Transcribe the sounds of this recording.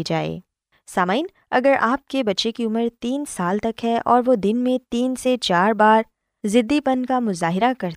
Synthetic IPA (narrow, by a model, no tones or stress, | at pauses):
id͡ʒaːḛː | saːmaːiːn | ɐ̰ɡəɾaːp̚kebɐtːʃekiʊməɾt̪iːnsaːlt̪ɐkɦɛʔɔːɾʋod̪ɪnmẽt̪iːnset͡ʃaːɾbaːɾ | zɪd̪ːipɐnkamʊzaːɦɪɾakɐɾt̪